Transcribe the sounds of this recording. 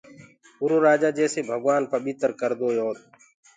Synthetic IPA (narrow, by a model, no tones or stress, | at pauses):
ʊɾuːɾaːd͡ʒaːd͡ʒɛːseːbʱəɡwaːnpəɓɪt̪ɾkəɾd̪oːjoːt̪̚